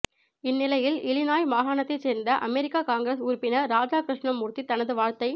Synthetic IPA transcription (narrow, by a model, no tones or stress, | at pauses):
ɪnːɪlɐjɪlɪɭɪnaːjmaːɦaːɳɐt̪ːɐɪseːɾnd̪ɐʔɐmɛɾɪkːaːkaːŋɡɪɾɐsʊɾʊpːɪnɐɾaːd͡ʒaːkɾɪʂɳɐmːʊɾt̪ːit̪ːɐnɐðɯʋaːɻt̪ɐɪ